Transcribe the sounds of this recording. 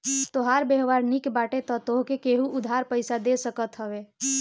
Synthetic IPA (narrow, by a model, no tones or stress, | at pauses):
t̪oɦaɾbeɦʋaɾnikbaːʈet̪ɔt̪oɦkekeɦuʔʊd̪ʱaɾpəɪsad̪esəkət̪ɦəʋe